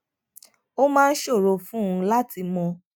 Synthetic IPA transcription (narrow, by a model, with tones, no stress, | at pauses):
o˦mãː˦˧n̩˦ʃo˦˨ɾo˨˧fũ˦˨˧la˦ti˧mɔ̃˧